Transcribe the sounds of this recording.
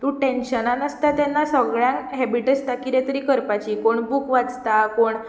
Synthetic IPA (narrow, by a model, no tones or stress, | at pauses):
t̪ũʈẽnɕənanəst̪at̪ɛnːasəɡɭjãnɦɛbiʈest̪akiɾɛt̪əɾiːkəɾpat͡ɕiːkoɳbukʋad͡zt̪akoɳ